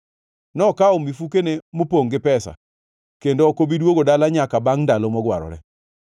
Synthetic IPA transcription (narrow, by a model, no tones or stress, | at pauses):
nɔkaɔmifukenemopoŋɡɪpɛsa̰ | kendoɔkobidwoɡodalaɲakabaŋndalomɔɡwa̰ɾɔ̰ɾɛ̰